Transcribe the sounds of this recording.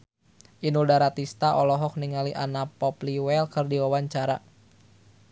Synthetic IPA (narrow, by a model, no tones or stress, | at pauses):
ʔinuldaɾat̪ist̪aʔɔlɔɦɔk̚niŋaliʔanapɔpliwɛlkɨrdiwawaɲt͡ʃaɾa